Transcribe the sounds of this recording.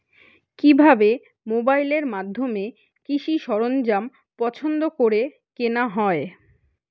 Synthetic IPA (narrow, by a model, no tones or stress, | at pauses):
kibʱabe | mobaileɾmad̪ʱːome | kiʃiʃɔɾond͡ʑam | pɔt͡ɕʰond̪okoɾe | kenaɦɔe